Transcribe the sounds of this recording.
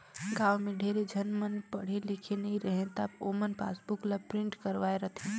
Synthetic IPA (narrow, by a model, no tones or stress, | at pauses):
ɡaːʋmẽɖʱeɾed͡ʒʱənmənpəɽ̤elɪkʰenəĩɾəɦẽt̪apomənpa̰ːsbʊklapɾɪɳʈkəɾʋaːeɾət̪ʰi